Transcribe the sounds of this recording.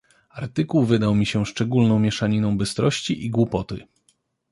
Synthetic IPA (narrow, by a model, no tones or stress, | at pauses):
aɾt̪ɘkuwvɘd̪awmʲiɕɛʂt͡ʂɛɡulnɔ̃w̃mʲjɛʂaɲinɔ̃w̃bɘst̪ɾɔɕt͡ɕiʔiɡwupɔt̪ɘ